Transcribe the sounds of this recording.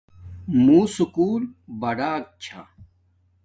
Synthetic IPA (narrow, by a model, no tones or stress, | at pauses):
muːsukuːlbɐɽaːk̚t͡ɕʰa̰